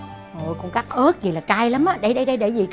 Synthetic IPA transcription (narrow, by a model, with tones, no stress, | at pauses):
ʔo˨˩jkʊ̰˨˧˦ŋ͡mkaː˦˥k̚ʔəː˦˥t̚zi˨˩laː˨˩t͡ɕaː˧jla˨˦mʔaː˨˧˥ɗə˧jɗə˧jɗə˧jɗe˧˩zi˨˩k